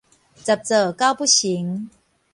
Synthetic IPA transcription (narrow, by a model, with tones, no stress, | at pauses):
t͡sa˨˩p̚t͡səː˨˩ka˥˦wpu˥ɕi˨˦ŋ